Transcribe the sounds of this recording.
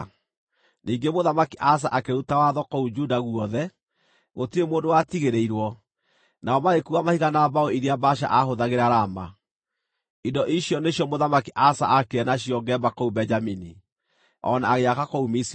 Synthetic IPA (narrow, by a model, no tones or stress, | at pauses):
niːŋɡemoðamakiʔas̬aʔakeɾutawaðɔkoud͡ʒudaɣuɔðɛ | ɣotiɾemoːndowatiɣeɾeiɾwɔ | naɔmaɣekuamahiɣanabaoiɾeabaʃa̰ʔahoðaɣeɾaɾama̰ | idɔʔiɕjɔnejɔmoðamakiʔasa̰ʔakeɛnaɕijɔɡɛbakoubɛɲd͡ʒamini | ɔ̰naːɣeakakoumisi